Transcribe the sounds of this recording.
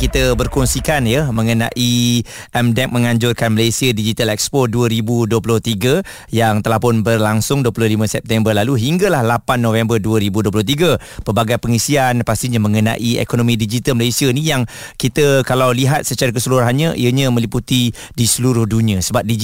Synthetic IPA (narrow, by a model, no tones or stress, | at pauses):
kit̪əbərkɔnsikanjəmə̃ŋəna̰ʔi | ʔɛmdɛk̚mə̃ŋãɲd͡ʒʊrkanməlesiədid͡ʒit̪alɛk̚spɔduəɾibuduəpulʊht̪iɡə | jaŋt̪əlahpʊnbərlaŋsʊŋduəpulʊhlimãsɛp̚t̪ɛmbərlaluɦiŋɡəlahlapanːõfɛmbərduəɾibuduəp̬lʊht̪̬iɡə | pərbaɡajpəŋisianpast̪iɲamə̃ŋənã̰ʔiḛkonõmĩdid͡ʒit̪əlməlesianijaŋkit̪əkalawliɦat̪̚sət͡ʃaɾakəsəluɾaɦanɲəʔḭəɲə̃mə̃liput̪i | disəluɾʊhdunĩə̃səbap̚di